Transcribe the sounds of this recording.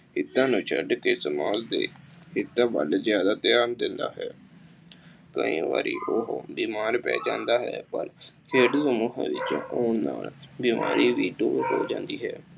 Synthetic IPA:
hɪt̪ːãːnũːt͡ʃʰəɖkeːsəmaːzd̪eːhɪt̪ːãːbəlzjaːd̪aːt̪ɪjaːnd̪ɪnd̪a̰ːɦɛː | kə̰ḭ̃ːʋa̰ːɾḭːʔoɦbiːmaːɾpɛ̰ːd͡ʒãːnd̪aːɦɛːpəlkʰeːɖsəmuːɦã̰ːʋɪt͡ʃːoːnaːlbiːmaːɾʔiːʋiːɖoːɾɦoːd͡ʒãːnd̪iːɦɛː

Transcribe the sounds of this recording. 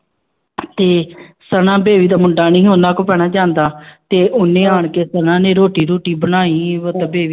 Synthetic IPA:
t̪eːsənãːbeːʋiːd̪aːmʊɳɖaːnĩːɦoːnd̪aːkʊpɛːɽ̃aːd͡ʒãːnd̪aːt̪eːʔʊnːẽːaːɳkeːsənãːnẽːɾoːʈiːɾoːʈiːbəɽ̃aːiːʋət̪ːbeːʋiː

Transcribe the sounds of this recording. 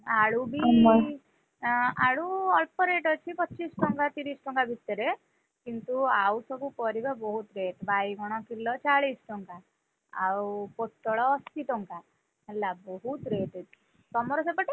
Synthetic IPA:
aɽubʱi | aɽuɔlpɔɾeʈɔt͡ʃʰipɔːt͡ʃːisʈɔŋkat̪iɾisʈɔŋkabʱit̪ːɔɾe | kint̪uawsɔbupɔɾibabɔɦut̪ɾeʈbajɡʱɔɽ̃ɔkilːɔt͡ʃaɭisʈɔŋka | awpot̪ːɔɭɔːst̪iʈɔŋka | ɦelːabɔɦut̪ɾeʈe | t̪ɔmɔɾɔsepɔʈi

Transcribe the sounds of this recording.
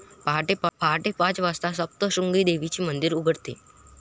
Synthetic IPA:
paɦʈepaɦaʈepãt͡sʋast̪asəp̚t̪əɕuŋɡiːd̪eʋit͡ɕiːmənd̪iɾuɡʱəɽt̪ḛ

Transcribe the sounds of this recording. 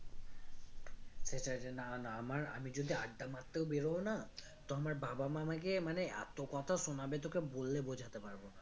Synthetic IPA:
seʈaenanaamaɾa̰mid͡ʒod̪ʱiaɖːamat̪ːeʊbeɽowna | t̪oamaɹbabamamak̬emanea̰t̪okɔt̪ʰaʃonabet̪̬okebolːebod͡ʒʱat̪epaɾbona

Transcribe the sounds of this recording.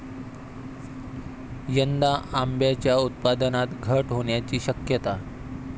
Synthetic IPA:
jənd̪aʔambjat͡ɕjaut̪̚pad̪ənat̪ɡʱəʈɦoɳjat͡ɕiːɕəkjət̪a

